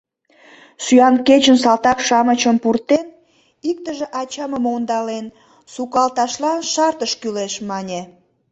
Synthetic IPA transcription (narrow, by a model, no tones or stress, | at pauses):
syɑnket͡ɕəns̬ɑlt̪ɑkʃɑmət͡ɕəmpurt̪en | ik̚t̪əʒeʔɑt͡ɕɑməmond̪ɑlen | sukɑlt̪ɑʃlɑnʃɑrt̪əʃkyleʃmɑnʲe